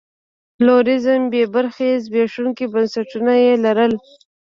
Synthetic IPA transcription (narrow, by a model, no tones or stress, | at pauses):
loɾɪzəmbebaɾxezbeʂuŋkibansaʈunajelaɾəl